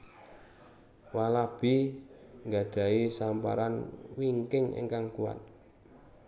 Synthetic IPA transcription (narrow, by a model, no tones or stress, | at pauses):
walab̥i | ŋɡa̤ɖ̥a̤isampa̰ɾanwiŋkɪŋḛŋkaŋkua̰t̪̚